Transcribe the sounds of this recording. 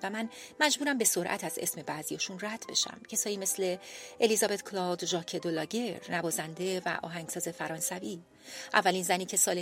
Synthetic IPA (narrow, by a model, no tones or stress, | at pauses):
væmænmæd͡ʒbuːɾæmbe̞so̞ɾʔæ̰t̪ʰæze̞̰sme̞bæzijɒːʃuːnræd̪̥be̞̰ʃæ̰mcʰe̞sɒːjiːme̞sle̞ʔelizɒːbe̞t̪kʰlɒd̪ʒɒːcʰed̪olɒːɟe̞ɾnæbɒːzænd̪e̞væ̰ʔɒ̰ːɦæŋɡ̥sɒːze̞fæɾɒːnsæviː | ʔævːælinzæniːcʰe̞sɒːle